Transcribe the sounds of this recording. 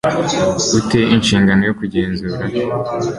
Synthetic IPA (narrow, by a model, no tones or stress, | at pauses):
uteʔinʃiːŋɡano̞jo̞kuɟeːnzuːɾa